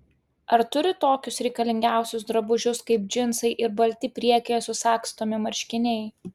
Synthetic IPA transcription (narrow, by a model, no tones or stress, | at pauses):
ɐɾt̪ʊɾʲɪt̪oːkʲʊsɾʲɛɪkɐlʲɪŋʲɡʲæˑʊsʲʊs̬d̪ɾɐbʊʒʲʊskɐɪp̚d͡ʒʲɪnsɐɪʔɪɾbɐlʲt̪ʲɪpʲɾʲiɛkʲejɛsʊsɑːkst̪oːmʲɪmɐɾʲʃʲkʲɪnʲɛɪ